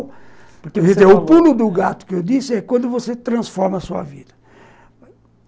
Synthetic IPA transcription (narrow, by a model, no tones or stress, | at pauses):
pɾkʒeeɾʊpulʊd̪ʊɡat̪ʊ̥kɪewd̪isɪɛkwɐ̃nd̪ʊvoset̪ɾɐ̃sfɔɾmɐsuɐ̰vid̪ɐ